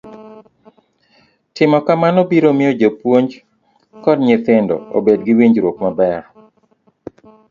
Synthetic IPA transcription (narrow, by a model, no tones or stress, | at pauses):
tɪmɔkamanobiɾomɪjod͡ʒopwoɲd͡ʒ | kɔdɲet̪ɪndɔ̰o̰bedɡiwiɲd͡ʒɾwokmabɛr